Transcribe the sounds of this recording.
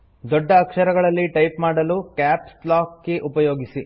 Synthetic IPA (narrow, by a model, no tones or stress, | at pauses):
d̪ɔɖːɐːkʂɐɾɐɡɐɭɐlːiʈɐjpmaːɽɐlukaːpsplaːkːeʔupɐjoːɡisi